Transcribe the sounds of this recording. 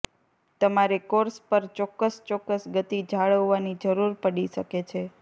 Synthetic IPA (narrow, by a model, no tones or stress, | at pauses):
t̪əmaɾekoɾspəɾt͡ʃɔkːəst͡ʃɔkːəsɡət̪id͡ʒʱaɭəʋːanid͡ʒəɾuɾpəɽiʃəket͡ʃʰe